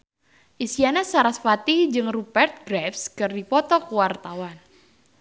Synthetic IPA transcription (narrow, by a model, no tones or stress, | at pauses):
ʔisianasaɾasfat̪id͡ʒɨŋrupɛrt̪̚ɡ̥ɾɛfskɨrdipɔt̪ɔkuwart̪awan